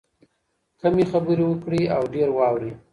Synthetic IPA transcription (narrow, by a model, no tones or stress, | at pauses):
kamexabəɾiwəkɽiawɖeɾwɑwɾi